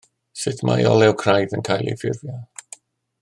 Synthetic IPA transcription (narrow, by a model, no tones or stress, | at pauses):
sɪtʰma̰jɔlˠɛwkʰrajðənkʰajlˠḭfɪrvjɔ